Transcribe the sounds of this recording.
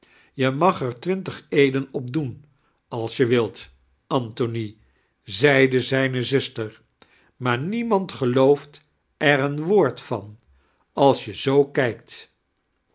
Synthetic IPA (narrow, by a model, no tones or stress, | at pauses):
jəmɑχɛɹtʋɪntəχejdənɔb̚dun | ɑlˠsjəʋɪlˠt | ʔɑntoni | zɛjdəzɛjnəzʏstəɹ | maːɹnimɑntχəlowft | ɛrənʋoːɹtfɑn | ɑlˠsjəzowkɛjk̚t